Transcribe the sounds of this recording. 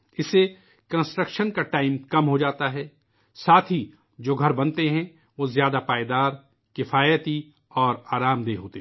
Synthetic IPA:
ɪse | kɐ̃nsʈɾəkʃənkaʈaːɪmkɐmɦod͡ʒaːt̪aɦɛː | saːt̪ʰɦi | d͡ʒoːɡʱɐɾbɐnt̪eɦɛ̃ | ʋozjaːd̪apaːjd̪aːɾ | kɪfaːjət̪i | ɔːɾaːɾaːmd̪eːɦoːt̪e

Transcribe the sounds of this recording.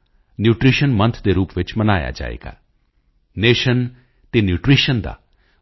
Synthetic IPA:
njuːʈɾiːʃənmɐnt̪ʰd̪eɾuːpʋɪt͡ʃmɐnaːja̰d͡ʒa̰ːḛɡa̰ | neːʃən | t̪enjuːʈɾiːʃənd̪a̰ː

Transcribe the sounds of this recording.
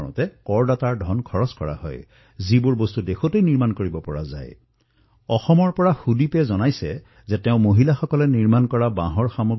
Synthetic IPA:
ʊ̰̃tɛkɔɹdataɹdʱɔnkʰɔɹɔskɔɹa̰hɔ̰j | zibʊɹbostudexʰotejniɹmankoɹibɔpɔɹa̰za̰j | ɔxɔmɔɹpɔɹaxudipɛzɔnajsɛ̰ | zɛtɛʊ̃moɦilaxɔkɔlɛniɹmankɔɹabã̰ɦɔɹxamoɡ

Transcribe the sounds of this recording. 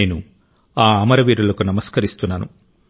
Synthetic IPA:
eːnu | aːɐmɐɾɐʋiːɾulɐkunɐmɐskɐɾist̪unːɐːnu

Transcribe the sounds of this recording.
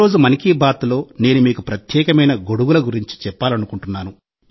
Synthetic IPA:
o̞ːd͡ʒumɐnikiːbaːt̪ulo̞ːne̞ːnumiːkupɾɐt̪jɛːkɐmɐjnɐɡo̞ɽuwulɐɡuɾiɲt͡ʃi̥t͡ʃɛpːaːlɐnukuɳʈunːaːnu

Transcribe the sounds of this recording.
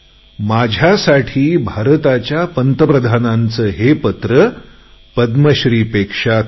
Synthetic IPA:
mad͡ʑʱjasaʈʰiːbʱaɾət̪at͡ɕjapənt̪əpɾəd̪ʱanant͡səːɦepət̪ɾə | pəd̪məɕɾiːpekʂa

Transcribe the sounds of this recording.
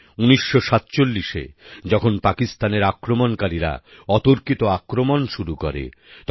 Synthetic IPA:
uniʃːoʃat̪t͡ɕolːiʃḛd͡ʑɔkʰonpakist̪aneɾakɾomonkaɾiɾa̰ | ɔt̪oɾkit̪oakɾomonʃuɾuko̰ɾḛ | t̪

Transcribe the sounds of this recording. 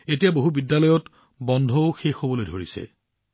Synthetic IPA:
etijaboɦubidːalɔjɔt | bɔndʱɔʊxexobɔlojdʱoɹḭsɛ̰

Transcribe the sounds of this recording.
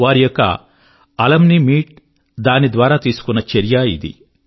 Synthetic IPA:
ʋaːɾijɔkːɐ̰ | ɐlɐmnimiːʈ̚ | d̪aːnid̪ʋaːɾaːt̪iːsu̥kunːɐt͡ʃeɾjaḭd̪ḭ

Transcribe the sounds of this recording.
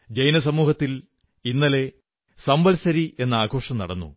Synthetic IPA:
d͡ʑejnɐs̬ɐmuːhɐt̪ːil | inːɐle̞ | sɐmbɐlsɐɾie̞nːɐaːɡʱo̞ːʂɐmnɐ̰ɽɐnːṵ

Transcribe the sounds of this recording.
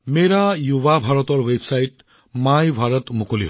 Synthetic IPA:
meɹajubabʱaɹɔt̪ɔɹwebʱsajt | majbʱaɹɔt̪mukoliɦ

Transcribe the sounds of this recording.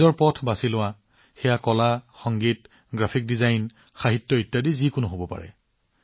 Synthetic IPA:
zɔɹpɔtʰbasilʊwa | xɛjakɔlaxɔŋɡit | ɡɹapʰik̚dizajn | xaɦitːɔitːadizikʊnʊɦobɔpa̰ɹɛ̰

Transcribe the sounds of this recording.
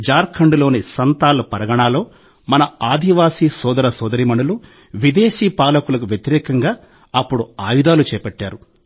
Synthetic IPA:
d͡ʒaːɾkʰɐɳɖlo̞ːnisɐnt̪aːlɐpɐɾɐɡɐɳaːlo̞ː | mɐnɐaːd̪ʱiʋaːsiːsɔːd̪ɐɾɐsɔːd̪ɐɾimɐɳulu | ʋid̪eːʃiːpaːlɐkulɐkuʋjɐt̪iɾɛːkɐŋɡaː | ɐpːuɽuaːjud̪aːlut͡ʃɛːpɛʈːaːɾu

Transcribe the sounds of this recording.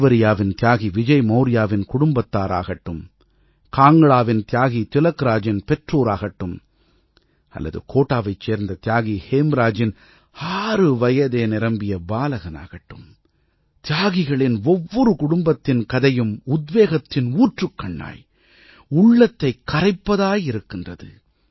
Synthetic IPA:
ʋɐɾɪjaːʋɪnt̪ɪjaːɣiʋɪd͡ʒɐɪmɐʊɾɪjaːʋɪnkʊɽʊmbɐt̪ːaːɾa̰ːɣɐʈːɯm | kaːŋɡɐɭaːʋɪnt̪ɪjaːɣit̪ɪlɐkɾaːd͡ʒɪnpɛʈroːɾaːɣɐʈːɯm | ɐ̰lːɐ̰ðɯ̰kʰoːʈːaːʋɐɪt͡ʃːeːɾnd̪ɐt̪ɪjaːɣiheːmɾaːd͡ʒɪn | haːɾɯʋɐjɐðeːnɪɾɐmbɪjɐbaːlɐɣɐna̰ːɣɐʈːɯm | t̪ɪjaːɣɪɣɐɭɪnɔʋːɔɾɯkʊɽʊmbɐt̪ːɪnkɐðɐjɯmʊd̪ʋeːɣɐt̪ːɪnuːʈrɯkːɐɳːa̰ːj | ʊɭːɐt̪ːɐɪkːɐɾɐɪpːɐðaːjɪɾɯkːɪndrɐðɯ

